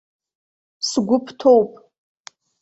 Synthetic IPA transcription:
sɡʷʊpʰtʰowpʼ

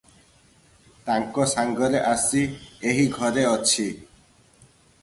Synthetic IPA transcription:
t̪aŋkɔsaŋɡɔɾeʔasieɦiɡʱɔɾeɔt͡ʃʰi

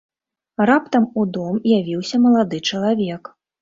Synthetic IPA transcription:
rapt̪ɐmud̪ɔmjavʲiwsʲɐmɐlˠad̪ɨt͡ʂɐlˠavʲɛk

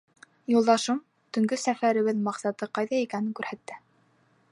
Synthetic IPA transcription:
julˠd̪ɑʃom | t̪ɵ̆ŋɡɵsæfæɾɘ̆βɘðmɑqsɑt̪ɤqɑjðɑikænɘŋkʉɾhæt̪ːɘ

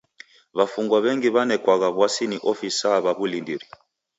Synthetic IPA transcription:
βafuŋɡwaβɛŋɡiβanɛkwaɣaβwasiniʔɔfisaβaβulindiɾi

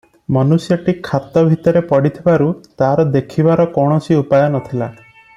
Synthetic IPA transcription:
mɔnusjɔʈikʰːat̪ɔbʱit̪ɔɾepɔɽit̪ʰibaɾut̪aɾɔd̪ekʰibaɾɔkɔɽ̃ɔsiupajɔnɔt̪ʰila

